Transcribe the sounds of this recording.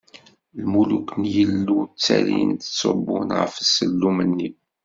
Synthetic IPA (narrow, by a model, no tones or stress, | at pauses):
lmuluknjəlːut͡sːæ̰ɾḭnd̪ət͡sːobːʊnʁə̰fəsəlːumənːi